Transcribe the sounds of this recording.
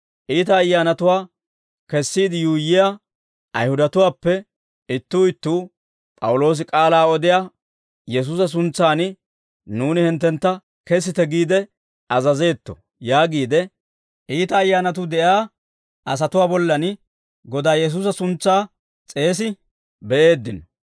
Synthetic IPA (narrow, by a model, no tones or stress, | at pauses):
ʔiːt̪ɐːjːaːnɐt̪ʊwaː | kɛsːiːd̪ɪjuːjːɪja | ʔɐjhʊd̪ɐt̪ʊwaːpːɛ | ɪt̪ːuːɪt̪ːuː | pʼɐwʊlo̞ːs̬ɪkʼaːlaːɔd̪ɪja | jɛs̬uːsɐs̬ʊnt͡sːaːn | nuːnɪhɪnt̪ːɛnt̪ːɐ | kɛs̬ɪt̪ɛɡiːd̪ɛ | ɐzɐze̞ːt̪ːɔ | jaːɡiːd̪ɛ | ʔiːt̪ɐːjːaːnɐt̪̬ʊd̪ɛʔaː | ʔɐs̬ɐt̪ʊwaːbɔlːɐn | ɡɔd̪aːjɛs̬uːsɐsʊnt͡sːaː | t͡sʼe̞ːs̬ɪ | bɛʔe̞ːd̪ːɪnɔ